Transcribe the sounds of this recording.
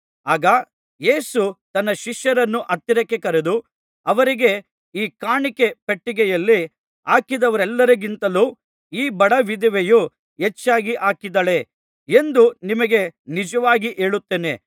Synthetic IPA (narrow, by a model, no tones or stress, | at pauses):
aːɡɐ | je̞ːsut̪ɐnːɐʃiʃjɐɾɐnːuʔɐt̪ːiɾɐkːekɐɾed̪u | ɐʋɐɾiɡe̞ | iːkaːɳikepeʈːiɡɛjɐlːi | aːkid̪ɐʋɐɾɛlːɐɾɐɡint̪ɐluː | iːbɐɽɐʋid̪iʋeju | et͡ʃːaːɡiʔaːkid̪ɐɭe̞ | end̪unimɐɡe̞nid͡ʒɐʋaːɡiʔe̞ːɭut̪ːeːne̞̰